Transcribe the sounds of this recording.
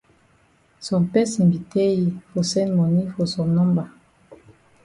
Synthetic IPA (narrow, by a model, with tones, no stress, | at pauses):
sɔ̃˨mpɛ˦sɛ̃˨mbi˨tɛ˦ji˨fo˨sɛ̃˦nmɔ˨ni˦fo˨sɔ̃˨nɔ̃˦mba˨